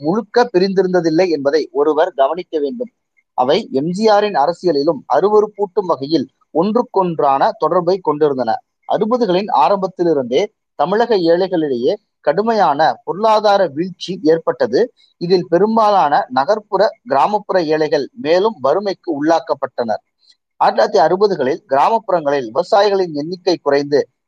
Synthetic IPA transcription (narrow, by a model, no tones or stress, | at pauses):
mʊɻɯkːɐpːɪɾɪnd̪ɪɾɯnd̪ɐðɪlːɐɪɛnbɐðɐɪʔɔɾɯʋɐɾɡɐʋɐnɪkːɐʋeːɳɖɯm | ʔɐ̰ʋɐɪɛmd͡ʒɪjaːɾɪnɐɾɐsɪjɐlɪlɯmɐ̰ɾɯʋɐɾɯpuːʈːɯmʋɐɣɐjɪl | ɔndrɯkːɔɳdraːnɐt̪ɔɽɐɾbɐɪkːɔɳɖɪɾɯnd̪ɐnɐ̰ | ʔɐ̰ɾɯbɐðɯɣɐɭɪna̰ːɾɐmbɐt̪ːɪlɪɾɯnd̪eː | t̪ɐmɪɻɐɣɐeːɭɐɪɣɐɭɪɽɐjeː | kɐɽɯmɐjaːnɐpɔɾɯɭaːðaːɾɐʋɪɻt͡ʃːieːrpɐʈːɐðɯ | ɪðɪlpɛɾɯmbaːlaːnɐnɐɣɐɾpɯɾɐɡɪɾaːmɐpːɯɾɐeːɭɐɪɣɐɭmeːlɯmʋɐɾɯmɐɪkːɯʊɭːaːkɐpːɐʈːɐnɐ̰ɾ | ɐɾlat̪ːiɐɾɯbɐðɯɣɐɭɪlɡɪɾaːmɐpːɯɾɐŋɡɐɭɪlɪʋɐɐsaːjɪɣɐɭɪnɛnːɪkːɐɪkːʊrɐɪnd̪ɯ